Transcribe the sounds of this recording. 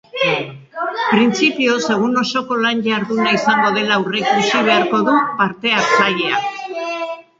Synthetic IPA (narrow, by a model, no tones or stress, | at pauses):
pɾint͡sipio̞se̞ɣ̞uno̞so̞ko̞lanʝaɾðunaisaŋɡo̞ð̞e̞laurekusiβ̞e̞aɾko̞ðupaɾt̪e̞aɾt͡saʎe̞a̰